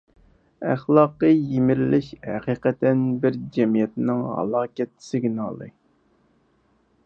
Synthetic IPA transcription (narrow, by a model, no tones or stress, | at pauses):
æχlˠɑːqəjemɪɾlɪʃhæqiqɛt̪ːɛnbɪɾd͡ʒɛmijɛt̪nɪŋhɑ̰lˠɑːkʲɛt̪ʰːɪ̥sɪɡʲinɑ̰lˠɨ̰